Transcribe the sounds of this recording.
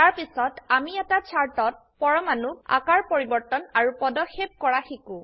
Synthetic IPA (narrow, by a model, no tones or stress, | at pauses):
taɹpisɔtamiɛtat͡ʃʰaɹtɔt̚pɔɹɔmanua̰kaɹpoɹibɔɹtɔnaɹupɔdɔxep̚kɔɹaxikʊ̃